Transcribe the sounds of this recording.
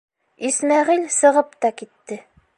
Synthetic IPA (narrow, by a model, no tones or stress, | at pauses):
ismæʁilʲsɤ̆ʁɤpt̪ɑkit̪ːɘ